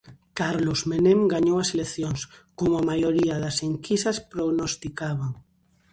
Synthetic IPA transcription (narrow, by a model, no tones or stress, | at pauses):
kaɾlozmenẽmɡaɲowaselekθjoŋskomʊamajoɾiaðaseŋkisaspɾoɣnost̪ikaβaŋ